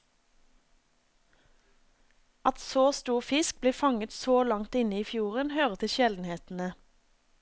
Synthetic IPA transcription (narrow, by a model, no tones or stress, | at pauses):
ʔɑt̪soːst̪uːʁfɪsk̚bleːfɑŋət̪soːlɑŋt̪ɪnəiːfjuːʁənhøːʁət̪ʰɪʃɛld̪n̩heːt̪n̩ə